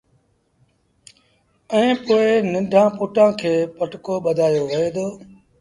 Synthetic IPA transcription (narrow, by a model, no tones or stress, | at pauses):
ɛ̃ːpoːɪnə̃ɖʱãːpʊːʈãːkʰeːpəʈkoːɓəd̪ʱaːjoːʋəeːd̪oː